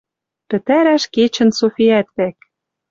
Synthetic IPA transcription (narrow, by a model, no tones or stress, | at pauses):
pɘ̆t̪æɾæʃket͡ɕɘ̆nsofiæt̪βæk̚